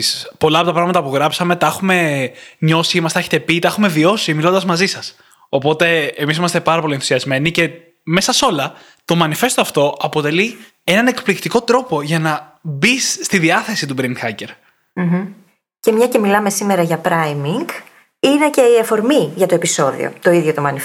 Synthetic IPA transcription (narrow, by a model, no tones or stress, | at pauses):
spo̞lɐpo̞t̪ɐpɾɐɣmɐt̪ɐpuɣɾɐpsɐme̞t̪ɐexume̞ɲo̞siimɐst̪eeçe̥t̪epit̪ɐexume̞vio̞similo̞nd̪ɐzmɐzisɐs | o̞po̞t̪e̞emis̬imɐst̪e̞pɐɾɐpo̞lienθu̥siɐzme̞nice̞ | me̞sɐso̞lɐ | t̪o̞mɐnife̞st̪oɐft̪o̞ʔɐpo̞t̪e̞li | e̞nɐne̞kplikt̪iko̞t̪ɾo̞po̞ʝɐnɐbisːt̪iðiɐθe̞sit̪ubɾind̪xɐce̞ɾ | m̩ɦm̩ | ce̞mɲɐce̞milɐme̞simeɾɐʝɐpɾɐjmiŋɡ | ine̞ce̞iɐfo̞ɾmiʝɐt̪o̞episo̞ðḭo̰t̪o̞iðʝot̪o̞mɐni